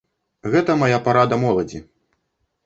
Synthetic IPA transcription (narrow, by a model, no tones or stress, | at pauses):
ɣɛt̪ɐmajapaɾad̪ɐmɔlˠɐd͡zʲi